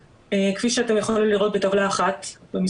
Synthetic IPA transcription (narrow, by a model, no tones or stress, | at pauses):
ekfiʃeate̞mjaχoliliʁo̞t̚betavlaːχatbemi